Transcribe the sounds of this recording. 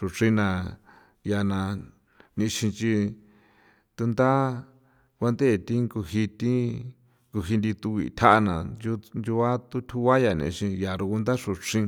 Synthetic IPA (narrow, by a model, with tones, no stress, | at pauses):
ʂu˧ʂĩ˦nã˧ | ja˧nã˧ | nĩ˧ʃĩ˧t͡ʃi˧ | t̪u˧nd̪a˦ | kʷa˧nd̪e˦˨t̪i˦ŋku˧hi˧t̪i˦ | ku˧˨ɦi˧nd̪i˧t̪u˧βḭ˧˨t̪ʰa˦ʔa˧nã̰˨u˧nd͡ʒu˧a˦t̪u˦t̪ʰu˦βa˦ja˨nḭ̃˧ʃĩ˧ja˨ɾu˧ku˧nd̪a˦ʂu˧ʂĩ˦˧